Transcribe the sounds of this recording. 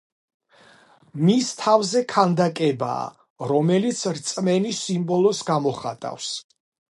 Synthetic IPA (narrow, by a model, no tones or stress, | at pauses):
mist̪ʰavzɛkʰand̪akʼɛba̰ː | ɾɔmɛlit̪sʰɾt̪sʼmɛnisimbɔlˠɔsɡamɔχa̰t̪ʼa̰fs